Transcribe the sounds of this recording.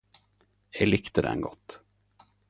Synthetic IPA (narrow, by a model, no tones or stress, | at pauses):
ɛlɪkt̪əd̪ɛ̰nɡɔt̪ː